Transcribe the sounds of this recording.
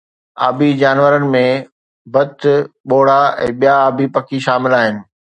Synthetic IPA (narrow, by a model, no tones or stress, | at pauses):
a̰ːbʱid͡ʑaːnʋəɾənɪ̆mẽ | bɐt̪ɓoːɽ̤aɛ̰̃ːɓijaːbʱipɐkʰiʃaːmɪlaːɦɪnɪ̆